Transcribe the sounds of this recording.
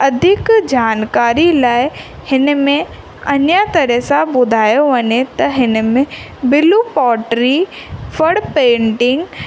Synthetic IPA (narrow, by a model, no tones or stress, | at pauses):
ɐd̪ʱɪkd͡ʑaːnkaːɾilaːɪ | hɪnmẽ | ɐɲjat̪ɐɾəsãbʊd̪ʱaːjoʋɐɲet̪ɐɦɪn̆mẽ | bɪlupɔːʈɾifʰɐɽpẽːɳʈɪ̃ŋɡ